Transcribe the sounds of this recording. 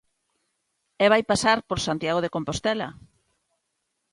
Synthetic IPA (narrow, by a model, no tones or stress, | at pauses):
ɛβ̞ajpasaɾpoɾsant̪jaɣ̞oðekompost̪ɛla̰